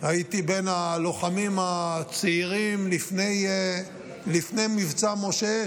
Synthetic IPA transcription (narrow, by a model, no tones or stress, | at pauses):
hait̪ibe̞nalo̞χamimhat͡siiʁimlifnej | lifnejmivt͡samo̞ʃe̞